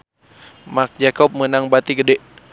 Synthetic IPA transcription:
mak̚d͡ʒakɔp̚mənaŋbat̪iɡədɛʔ

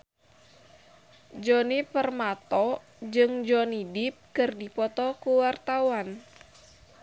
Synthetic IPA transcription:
d͡ʒɔnipərmat̪ɔ | d͡ʒɨŋd͡ʒɔnidip̚kɨrdipɔt̪ɔkuwart̪awan

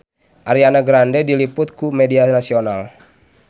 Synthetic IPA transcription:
ʔaɾianaɡɾandɛdilipʊt̪̚kumɛdianasional

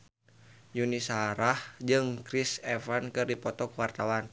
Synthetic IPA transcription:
junisaɾahd͡ʒɨŋkɾisɛfankɨrdipɔt̪ɔkwart̪awan

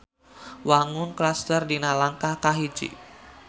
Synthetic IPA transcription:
waŋʊnklast̪ərdinalaŋkahkaɦid͡ʒḭ

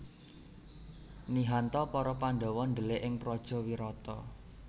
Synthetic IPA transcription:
niɦant̪ɔpɔɾɔpand̪ɔ̤wɔnd̪əleʔɪŋpɾɔd̥ʒ̥ɔ̤wiɾɔt̪ɔ

